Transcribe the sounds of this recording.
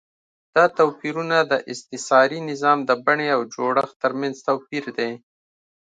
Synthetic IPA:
d̪̥ɑt̪awpiɾunad̪əʔɪst̪ɪsɑɾinɪzɑmd̪əbaɳeawd͡ʒoɽəxt̪əɾmanzt̪awpiɾd̪e

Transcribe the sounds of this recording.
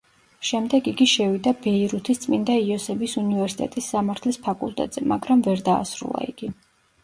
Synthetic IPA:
ʃɛmd̪ɛɡiɡiʃɛvid̪abɛiɾut̪ʰist̪sʼmind̪aiɔsɛbisunivɛɾsit̪ʼɛt̪ʼisːamaɾt̪ʰlispʰakʼṵlˠt̪ʼɛ̰t̪ʼz̥ɛmaɡɾamvɛɾd̪a̰ːsɾṵlˠa̰ḭɡi

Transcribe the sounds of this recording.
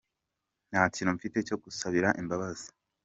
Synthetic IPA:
nhaciːnuɱfite̞co̞ɡusaβiɾaʔimbaβazi̥

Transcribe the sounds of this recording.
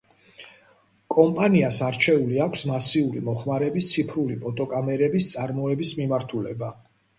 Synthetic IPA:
kʼɔmpʼaniasaɾt͡ʃʰɛuliakʷʰsmasiuɾimɔχmaɾɛbist̪sʰipʰɾulipʼɔt̪ʼɔkʼamɛɾɛbist̪sʼaɾmɔɛbismimaɾt̪ʰulɛ̰ba

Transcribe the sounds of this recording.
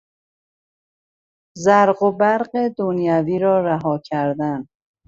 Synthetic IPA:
zæɾɢobæɾɢed̪onjæviːɾɒːɾæɦɒːcʰæɾd̪æn

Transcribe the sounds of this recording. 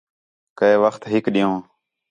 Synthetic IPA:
kəeːʋəxt̪ɦɪkɗĩjõː

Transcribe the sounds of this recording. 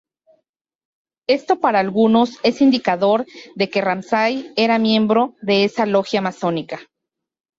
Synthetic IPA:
e̞st̪o̞paɾaːlɣuno̞se̞sind̪ikaðo̞ɾðe̞ke̞ramsaje̞ɾamjẽ̞mbɾo̞ðe̞e̞salo̞xjamaso̞nika

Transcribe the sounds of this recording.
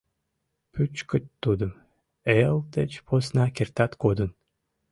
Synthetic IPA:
pʰyt͡ʃkɨt̪ʲːud̪ɨm | elˠt̪et͡ʃpʰosnakʲert̪at̪kod̪ɨn

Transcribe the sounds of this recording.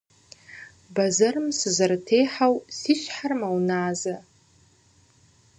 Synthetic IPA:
bazarɨmsɨzɨrtʰejħawsiʃʷħarmawnaːza

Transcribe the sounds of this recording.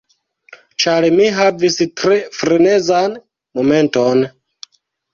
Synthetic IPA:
t͡ʃaɾmiɦavistɾefɾenezan | mome̞nton

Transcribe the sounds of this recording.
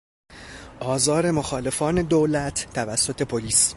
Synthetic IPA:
ʔɒːzɒːɾe̞moxɒːle̞fɒːne̞d̪olæt̪ʰːævæsːo̞t̪ʰe̞pʰoliːs

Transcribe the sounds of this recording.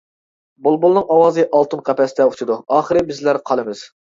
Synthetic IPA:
bolˠbulˠnɨŋɑwɑːzɨʔɑlˠt̪ɨnqʰɑpʰɛst̪ɛut͡ʃʰud̪uɑːχəɾɨbɪzlæɾqʰɑlˠɨmɪz̥

